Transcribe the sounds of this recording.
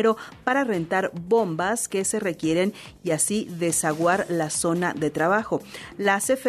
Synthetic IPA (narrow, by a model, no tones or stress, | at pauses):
ɾo̞paɾare̞nt̪aɾβo̞mbaske̞se̞re̞kje̞ɾe̞n | iasiðe̞saɣwaɾlaso̞naðe̞t̪ɾaβaxo̞ | lasefe